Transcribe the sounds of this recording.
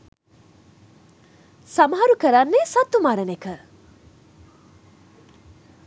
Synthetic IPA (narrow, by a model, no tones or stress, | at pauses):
samaɦaɾukəɾanːesɐt̪ːumaɾənekə